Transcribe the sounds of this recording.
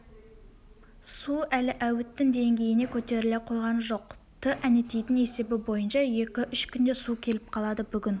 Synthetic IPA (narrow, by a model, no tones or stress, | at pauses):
suælɪʔæwɪt̪ːɪŋd̪e̞ŋɡʲe̞jɪne̞kʲʰɵt̪e̞ɾɪleqʰo̞jʁɑnəʒoq | t̪ʰɪʔæne̞t̪ejt̪ɪne̞se̞bɪbo̞jənʃɑje̞kʲɪʔʏʃkʲʰʏnd̪e̞sukʲʰe̞lɪp̚qʰɑlˠɑd̪əbʏɡʲɪn